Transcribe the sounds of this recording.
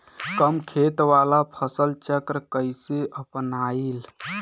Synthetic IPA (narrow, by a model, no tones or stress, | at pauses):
kəmkʰet̪ʋalapʰəsəlt͡ʃəkɾəkəjseʔəpnail